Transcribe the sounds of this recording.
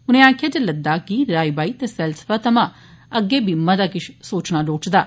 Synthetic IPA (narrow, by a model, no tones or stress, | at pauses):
ʊnẽːaːkʰjaːd͡ʒ̪eləd̪ːaːkiɾaːibaːiːt̪eːsɛːlsə̥faːt̪əmãː | əɡːeːbʱiːməd̪aːkɪʃsoːt͡ʃnaːloːt͡ʃd̪aː